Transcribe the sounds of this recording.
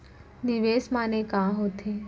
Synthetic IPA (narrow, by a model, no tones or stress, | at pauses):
d̪iʋesmanekãɦot̪ʰe